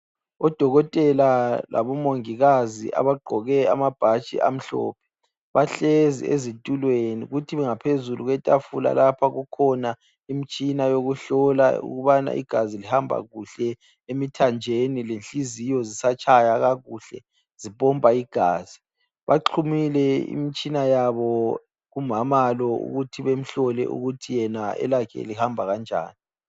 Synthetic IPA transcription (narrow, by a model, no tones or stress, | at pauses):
ɔd̥ʱɔɣɔtʼɛlala̰βɔmoŋiɣazḭʔa̰βaɡ͡ǃʱɔɣɛa̰mab̥ʱat͡ʃʼḭʔa̰m̩ɬɔ̰ːpʰɛ̥ | βaɬezḭḛzintʼulwenḭɣutʰiβɛŋapʰezuluɣwɛtʼafula̰lapʰaɣukʰɔna | imit͡ʃʼinajoɣuɬɔla̰ṵɣuβana̰ʔḭɡ̥ʱazilihambʱa̰ɣuɬɛ | emitʰand͡ʒʱenilenɬizijɔzisat͡ʃʰʼajaɣaɣuɬɛ̰ | z̥ipʼɔmpʼaiɡ̥ʱaːz̥i | βaǃʰumilɛḭmit͡ʃʼinajaβɔ | ɣumamalɔṵɣutʰiβem̩ɬɔlɛ̰ʔṵɣutʰijɛnaɛ̰lakʰɛ̰lihambʱaɣand͡ʒʱa̰ːni